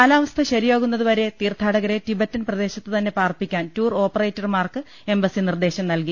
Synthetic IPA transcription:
aːlaːʋɐst̪ʰɐɕɐɾijo̞ːɣunːɐðuʋɐɾe̞t̪iːrt̪ʰaːɽɐɣɐɾe̞tibɐtːɐnprɐd̪e̞ːɕɐt̪ːɨt̪ɐnːe̞paːrpːikʲːaːntuːro̞ːpːɐreːjtːɐrmaːrkɨ | e̞mbɐsinird̪e̞ːɕɐmnɐlki

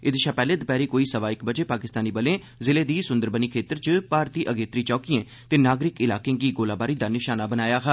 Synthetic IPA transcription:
ɪd̪ɪʃaːpɛːleːd̪pɛːɾiːkoːiːsəʋaːɪkbəd͡ʒeːpaːkɪst̪aːniːbəlẽː | zɪleːd̪iːsʊ̃nd̪əɾbəniːkʰeːt̪əɾt͡ʃpaːɾt̪iːʔəɡeːt̪ɾiːt͡ʃɔːkiẽː | t̪eːnaːɡɾɪkɪlaːkẽːɡiːɡoːlaːbaːɾiːd̪aːnɪʃaːnaːbənaːjaːɦɛ

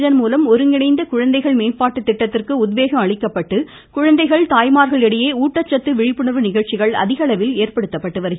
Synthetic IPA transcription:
ðɐnmuːlɐmɔɾɯŋɡɪnɐɪnd̪ɐkʊɻɐnd̪ɐɪɣɐɭmeːnpaːʈːɯt̪ːɪʈːɐt̪ːɪrkɯʊd̪ʋeːɣɐmɐɭɪkːɐpːɐʈːɯ | kʊɻɐnd̪ɐɪɣɐɭt̪aːjmaːɾɣɐɭɛɽɪjeːuːʈːɐt͡ʃːɐt̪ːɯʋɪɻɪpːɯɳɐɾʋɯnɪɣɐɻt͡ʃɪɣɐɭɐ̰ðɪɣɐɭɐʋɪleːɾpɐɽɯt̪ːɐpːɐʈːɯʋɐɾɯɣ

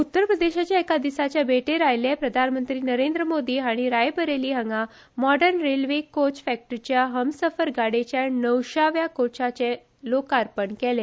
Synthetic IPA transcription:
ut̪ːəɾpɾəd̪eɕat͡ɕjaekad̪isat͡ɕjabeʈeɾajlepɾəd̪ʱanmənt̪ɾiːnəɾend̪ɾəmod̪iːɦaɽ̃iɾajpəɾeliːɦəŋɡa | mɔɖəɾnɾelʋekot͡ɕfɛk̚ʈəɾt͡ɕjaɦəmsəfəɾɡaɽet͡ɕjanəwɕaʋjakot͡ɕat͡ɕe | lokaɾpəɳkɛle

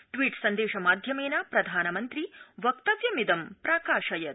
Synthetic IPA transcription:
ʈʋiːʈsɐnd̪eːʃɐmaːd̪ʱjɐmeːnapɾɐd̪ʱaːnɐmɐnt̪ɾiʋɐkt̪ɐʋjɐmid̪ɐmpɾaːkaːʃɐjɐt̪

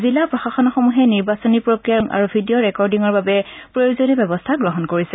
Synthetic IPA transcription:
zilapɹɔxaxɔnɔxɔmuɦɛniɹbasɔnipɹokɹijaŋʔa̰ɹubʱidiɔɹɛkɔɹdiŋɔɹbabɛpɹojuzɔnɛbɛbɔstʰaɡɹɔɦɔnkoɹisɛ

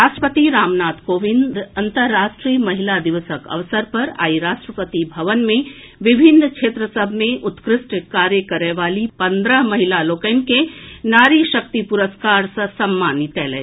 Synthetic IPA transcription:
ɾaːʃʈəpət̪iɾaːmnaːt̪koːʋɪ̃nd̪ɐ̃nt̪əɾːaːʃʈɾiːmɐɦilad̪ɪʋəsəkɐ̰ʋsəɾpɐɾa̰ːiɾaːʃʈɾəpət̪ibʱɐʋənmẽ | ʋɪbʱɪnːkʃʰeːt̪ɾəsəbʱmẽʔʊt̪kɾɪsʈkaːɾjəkəɾeʋaːlipɐ̃nd̪ɾəɦmɐɦilaloːkəjnkenaːɾiʃək̚t̪ipuɾəskaːɾsɐsɐmːaːnit̪ɛːlɛː

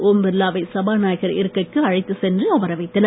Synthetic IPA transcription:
oːmʋɛɾlaːʋɐɪsɐbaːnaːjɣɐɾɪ̰ɾɯkːɐɪkːɯɐɻɐɪt̪ːɯsɛndrɯɐʋɐɾɐʋɐɪt̪ːɐnɐ

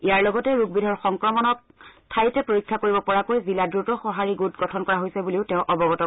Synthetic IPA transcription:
ijaɹlɔɡɔtɛɹuɡ̚bidʱɔɹxɔŋkɹɔmɔnɔk̚ | tʰajtɛpɹoɹikʰːakoɹibɔpɔɹakojziladɹutɔxɔɦaɹiɡutɡɔtʰɔnkɔɹaɦojsɛbuliʊtẽʊ̃ʔɔbɔɡɔtɔ

